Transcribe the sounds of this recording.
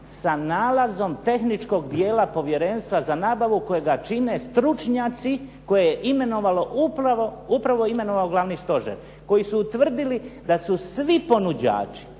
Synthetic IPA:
sanaːlazo̞mt̪e̞xnit͡ʃko̞ɡd̪je̞ːlapo̞ʋje̞ɾe̞ːnst̪ʋazanaːbaʋuko̞jeɡat͡ʃine̞st̪ɾut͡ʃɲaːt̪siko̞jejeʔime̞no̞ʋaloʔupɾaʋoupɾaʋo̞ime̞no̞ʋaoɡlaʋnist̪o̞ʒḛɾ | ko̞jisuːt̪ʋr̩d̪ilid̪asusʋipo̞nud͡ʑa̰ːt͡ʃi̥

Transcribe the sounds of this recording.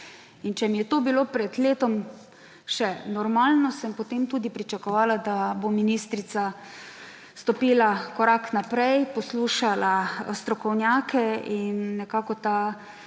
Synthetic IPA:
int͡ʃɛmijɛt̪oːbiloːpɾɛd̪leːt̪ɔm | ʃɛnɔɾmaːlnɔsɛmpot̪emt̪uːd̪ipɾit͡ʃakɔʋaːlad̪abominist̪ɾit̪sa | st̪ɔpiːlakɔɾaknapɾɛjpɔsluːʃalast̪ɾɔkɔwnjaːkʰɛinːɛkaːkɔt̪a

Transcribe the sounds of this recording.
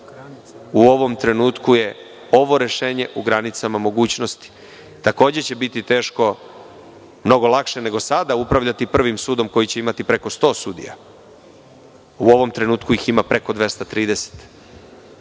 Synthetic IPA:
uo̞ʋo̞mt̪ɾenuːt̪kuje̞ | o̞ʋo̞ɾe̞ʃe̞ːɲe̞ʔuɡɾanit̪samamo̞ɡuːt͡ɕnost̪i̥ | t̪ako̞ːd͡ʑe̞t͡ɕe̞bit̪it̪e̞ːʃko̞ | mno̞ɡo̞lˠakʃe̞ne̞ɡo̞sad̪aupɾaʋʎat̪ipr̩ʋimsuːd̪o̞mko̞jit͡ɕe̞imat̪ipɾe̞ko̞st̪o̞ːsuːd̪ḭja̰ | uo̞ʋo̞mt̪ɾe̞nuːt̪kuiximapɾe̞ko̞d̪ʋe̞st̪at̪ɾiːd̪e̞se̥t̪

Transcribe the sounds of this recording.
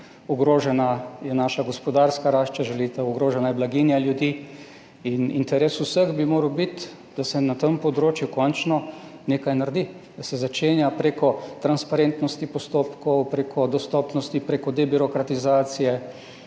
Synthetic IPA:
uɡɾoːʒɛnajɛnaːʃaɡɔspɔd̪aɾskaɾaʃt͡ʃaʒɛlit̪ɛuɡɾoːʒɛnajɛblaɡinjaljud̪iː | inḭnt̪ɛɾesusəxbimoːɾəwbit̪ | d̪asɛnat̪əmpɔd̪ɾoːt͡ʃjukɔnt͡ʃnɔneːkajnaɾd̪id̪̥asɛzat͡ʃeːnjapɾekɔt̪ɾanspaɾent̪nɔst̪ipɔst̪oːpkɔwpɾekʰɔd̪ɔst̪ɔpnɔst̪ipɾekɔd̪ɛbiɾɔkɾat̪izaːt̪sijɛ

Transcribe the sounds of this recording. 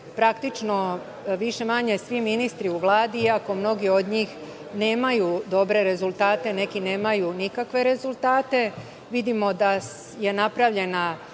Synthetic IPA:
pɾakt̪it͡ʃno | ʋiʃe̞maɲesʋiminist̪ɾiuʋlˠaːd̪iiako̞mno̞ɡio̞d̪ɲiːx | ne̞ːmajud̪o̞bɾe̞ɾe̞zulˠt̪aːt̪e̞ne̞kine̞ːmajunikakʋe̞ɾe̞zulˠt̪aːt̪e̞ | ʋid̪imo̞d̪a | je̞napɾaʋʎe̞na

